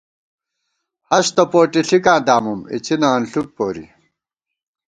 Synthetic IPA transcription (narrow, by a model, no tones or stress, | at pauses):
hɐɕt̪ɐpoːʈiɬikãːd̪aːmumḭt͡ɕʰinaːnɬuk̚poːɾḭ